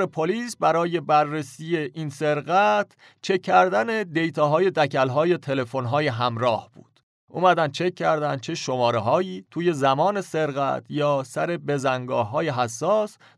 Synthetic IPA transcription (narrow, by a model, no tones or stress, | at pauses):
ɾepʰoliːsbæɾɒːje̞bæɾːesiːje̞ʔiːnse̞ɾɣæt̪ʰ | t͡ʃʰe̞kʰːæɾd̪æne̞d̪e̞jt̪ʰɒːɦɒːje̞d̪æcʰælɦɒːje̞t̪ʰe̞le̞fo̞nɦɒːje̞ɦæmɾɒːhb̥ṵːd̪̥ | umæd̪æn̚t͡ʃʰe̞cʰːæɾd̪ænd̪̥̚t͡ʃʰeʃo̞mɒːɾeɦɒːjiːt̪ʰuːje̞zæmɒːne̞se̞ɾɣæ̰t̪ʰjɒːsæɾe̞be̞zæŋɡɒːhːɒːje̞ɦæsːɒːs